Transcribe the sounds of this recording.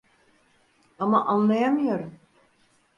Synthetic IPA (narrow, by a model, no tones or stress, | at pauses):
amaʔanlˠajamɯjo̞ɾum